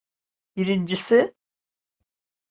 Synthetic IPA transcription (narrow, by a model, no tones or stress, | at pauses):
biɾind͡ʒisɪ